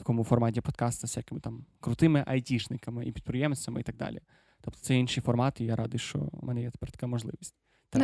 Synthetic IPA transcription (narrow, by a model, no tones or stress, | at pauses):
t̪ɐ̥kɔmʊfɔrmɑtʲipɔd̪kɑst̪ɐsʲakɪmɪt̪ɑmkɾʊt̪ɪmɪʔɐjtʲiʃnɪkɐmɪʔipʲid̪̚pɾɪjɛmsʲt͡sʲːɐmɪit̪aɡ̚d̪ɑ̰lʲḭ | t̪ɔp̚t̪ɔ̥tsɛjinʃɪjfɔrmɑt̪ijaɾʔɑd̪ɪjʃt͡ʃɔ̰mʔɛ̰nɛjɛt̪pɛɾt̪ɐ̥kamɔʒlˠɪ̰ʋʲisʲtʲ | t̪